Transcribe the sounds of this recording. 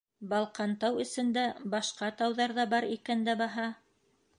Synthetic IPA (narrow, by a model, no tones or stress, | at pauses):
bɑlˠqɑnt̪ɑwɵ̆sɘ̆nd̪æbɑʃqɑt̪ɑwðɑɾðɑbɑɾikænd̪æbɑɦɑ